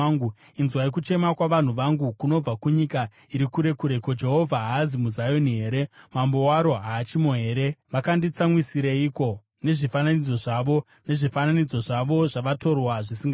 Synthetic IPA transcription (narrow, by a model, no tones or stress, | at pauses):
ɡu | inzwaik̬ut͡ʃe̞makwaʋan̤uʋaŋɡukuno̞b͡vakuɲika | iɾikuɾe̞kuɾe̞kod͡ʒe̞ɦo̞vʱaɦazimuzajo̞niɦe̞ːɾe̞mambo̞waɾo̞ɦaːt͡ʃimoɦe̞ːɾe̞ʋakandit͡samwisiɾeiːko̞ | ne̞ʐifananid͡zo̞ʐaʋo̞ | ne̞ʐifananid͡zo̞ʐaʋo̞ʐaʋato̞rwaʐisiŋɡa